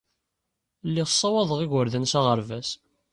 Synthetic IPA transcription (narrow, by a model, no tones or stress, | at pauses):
lːiʁsˤːɑwɑðˤəʁiʝəɾðənsæʁəɾvæs